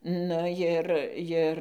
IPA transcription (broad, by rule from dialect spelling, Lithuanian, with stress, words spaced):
nʊ ˈjɪr ˈjɪr